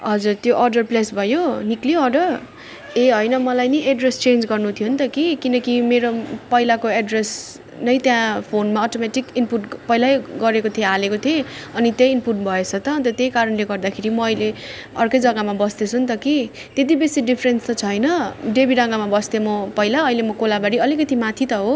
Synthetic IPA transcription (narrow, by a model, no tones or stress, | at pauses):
ɦʌd͡zurt̪joʔʌrɖʌrplesbʱʌjonikliʌrɖʌr | eɦʌjnʌmʌlajniʔeɖrest͡send͡zɡʌrnut̪ʰijont̪ʌkikinʌkimeɾopʌilakoeɖres | nʌjt̪jãpʰonmaɔʈomeʈikinpuʈpʌjlajɡʌɾekot̪ʰiealekot̪ʰieʌnit̪jʌjːnpuʈbʱʌet͡sʰʌt̪ʌnt̪ʌt̪jejkaɾʌnleɡʌrd̪akʰeɾimʌʌjle | ʌrkʌjd͡zʌɡamabʌst̪et͡sʰunt̪ʌki | t̪et̪ibesiɖipʰɾenst̪ʌt͡sʰʌjnʌɖebiɾʌŋɡamabʌst̪emʌpʌjlaʌjlemʌkolabaɽiʌlikʌt̪imat̪ʰit̪ʌɦo